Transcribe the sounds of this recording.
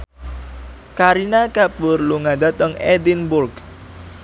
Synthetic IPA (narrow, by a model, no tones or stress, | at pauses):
kaɾinakabʊrluŋad̪a̤t̪əŋɛd̪inbʊlk